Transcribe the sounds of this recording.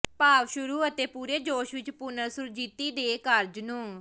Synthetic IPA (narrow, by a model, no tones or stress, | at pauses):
paːʋʃʊɾuːət̪eːpuːɾeːd͡ʒoːʃʋɪt͡ʃpʊnəɾsʊɾd͡ʒiːt̪iːd̪eːkəɾd͡ʒnũː